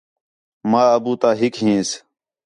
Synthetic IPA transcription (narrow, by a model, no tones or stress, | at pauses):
maːəbuːt̪aːɦɪkɦĩːs